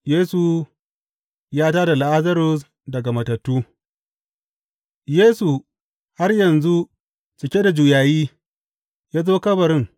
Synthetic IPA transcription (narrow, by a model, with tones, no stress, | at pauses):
jeː˦su˨ | jaː˦taː˦da˨la˨ʔa˦zɐ˦ɾʊ˦s | dɐ˨ɡa˨mɐ˨tɐ˨tːuː˦ | jeː˦su˨ | ha˦rjɐ˨nzu˦ | t͡ʃɪ˨kʲe˦da˨d͡ʒu˨jaː˨jiː˦ | jaː˦zoː˦kɐ˦bɐ˨ɾɪ˦ŋ